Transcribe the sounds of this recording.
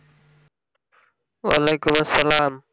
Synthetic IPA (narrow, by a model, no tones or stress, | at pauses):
wa̰leːkʊmɐsːəlaːm